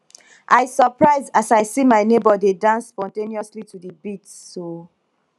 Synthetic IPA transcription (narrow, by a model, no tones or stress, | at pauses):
ʔaɪsɔpɹaɪzasaɪsimaɪnebɔdedãnsːpɔ̃ntẽniɔslitʰudəbitːo